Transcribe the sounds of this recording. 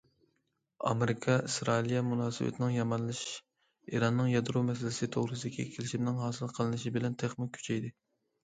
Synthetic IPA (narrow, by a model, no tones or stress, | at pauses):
ɑ̰meɾɪkʰɑisɾɑilijɛmunɑːsɨ̰wɛ̰t̪ʰɪnɪŋjɑmɑnlˠɨʃ | iɾɑnːɨŋjɑd̪ɾumɛs̬ɪlɪsɪt̪ʰoʁɾɨsɨd̪ɪkʲʰɛkʲʰelɪʃimnɪŋɦɑːsɨlˠqʰəlˠɨnɨʃibɪlɛnt̪ʰeχnɪkʲkʲʰːy̥t͡ʃʰɛjd̪ɪ